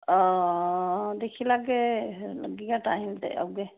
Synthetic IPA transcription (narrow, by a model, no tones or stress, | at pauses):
ɔ̃ | d̪ekʰilak̬elə̰ɡikãʈaɦimt̪ḛə̰bke